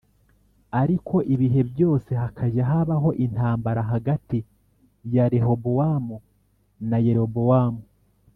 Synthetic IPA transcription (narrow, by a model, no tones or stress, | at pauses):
aɾikʰo̞ʔiβiɦe̞βjo̞ːse̞ɦakʰaɟaɦaβaɦo̞ʔin̥aːmbaɾaɦaɡati | jaɾe̞ɦo̞bowamu | naje̞ɾo̞bowaːmu